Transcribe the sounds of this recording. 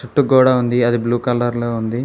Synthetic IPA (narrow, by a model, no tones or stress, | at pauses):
t͡ʃuʈːukuːɽaːund̪iɐd̪ibluːkɐlɐɾloːund̪i